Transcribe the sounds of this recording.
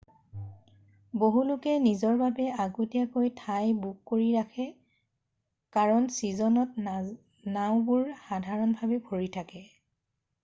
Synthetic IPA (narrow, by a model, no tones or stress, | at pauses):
boɦulʊkɛnizɔɹbabɛaɡutijakojtʰajbuk̚koɹiɹakʰɛ | kaɹɔnsizɔnɔt | naw̃bʊɹxadʱaɹɔnbʱabɛbʱoɹitʰakɛ